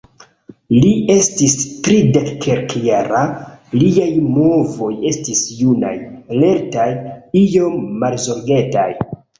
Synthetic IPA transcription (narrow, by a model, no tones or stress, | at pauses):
lie̞stistɾidekːʰeɾkjaɾaliajmo̞vo̞je̞stisjuna̰jale̞ɾtajijo̞mːalzo̞ɾɡe̞ta̰j